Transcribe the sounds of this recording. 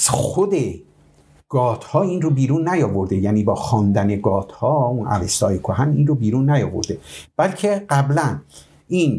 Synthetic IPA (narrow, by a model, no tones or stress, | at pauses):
sxod̪e̞ | ɡ̥ɒːt̪ʰhɒːiːnrobiːɾuːnːæjɒːvoɾd̪e̞jæniːbɒːxɒːnd̪æne̞ɡɒːt̪ʰhɒːunʔæ̰vest̪ɒːjekʰoɦæniːnrobiːɾunːæjɒːvo̰ɾd̪e̞b̥ælcʰe̞ɢæblæn | iːn